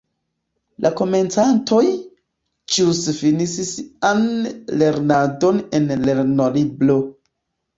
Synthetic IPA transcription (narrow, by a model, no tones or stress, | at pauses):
lʔako̞me̞nt͡santʰo̞j | d͡ʒusfinisisianleɾnado̞nenle̞ɾnoliblo̞